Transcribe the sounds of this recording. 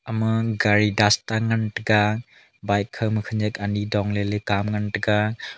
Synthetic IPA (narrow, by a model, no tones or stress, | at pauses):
amɯɡaɾidastaŋantɯɡa | bajkʰːɯmɯkʰɯnzekanidɔŋlelɯkamŋantɯɡa